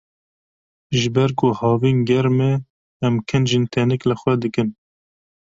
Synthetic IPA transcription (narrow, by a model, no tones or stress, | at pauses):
ʒɨbɛɾkohɑːvinɡɛɾmɛː | mkʰɛnʒint̪ʰɛnɛklɨxʷwɛd̪ɨkɨn